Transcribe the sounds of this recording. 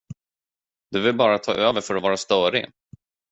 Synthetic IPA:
d̪ɵvɪlbɑːɾat̪ʰɑ̰ːʔøːvəɾfœɾɔvɑːɾast̪œːɾɪ̰

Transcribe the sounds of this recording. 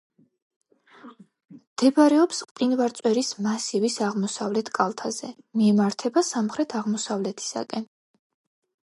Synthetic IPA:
md̪̥ɛbɾɛɔpsqʼqʼinvaɾt̪sʼwɛɾismasivisaʁmɔsavlɛt̪ʰkʼalˠt̪ʰazɛ | miɛmaɾt̪ʰɛbasamχɾɛt̪ʰaʁmɔsavlɛt̪ʰi̥sa̰kʼɛn

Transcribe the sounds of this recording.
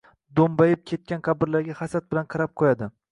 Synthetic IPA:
d̪ombajɪp̚kʲʰe̞t̪̚kʲanqʰɑbɪɾlaɾɡʲahasat̪̚bɪlanqʰɑɾap̚qʰojad̪ɪ

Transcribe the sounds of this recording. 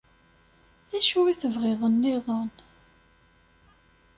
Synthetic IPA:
æʃuwiθəvʁeðˤənːɪðˤən

